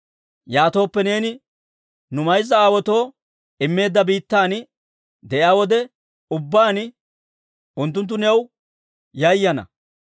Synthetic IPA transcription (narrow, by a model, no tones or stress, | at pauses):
jaːt̪o̞ːpːɛne̞ːnɪ | nʊmɐjzːɐaːwɔt̪o̞ː | ɪmːe̞ːd̪ːɐbiːt̪ːaːn | d̪ɛʔɪaːwɔd̪ɛ | ʊbːaːn | ʔʊnt̪̬ːʊnt̪̬ːʊnɛw | jɐjːɐnɐ̰